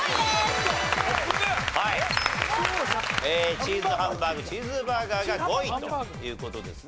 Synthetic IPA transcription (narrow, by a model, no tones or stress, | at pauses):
hai | et͡ɕizɨɦãmbaɡɯt͡ɕizɨbaɡaɡaɡoit̪ojɯ̟ːko̞t̪o̞d̪e̞̰sɨ̥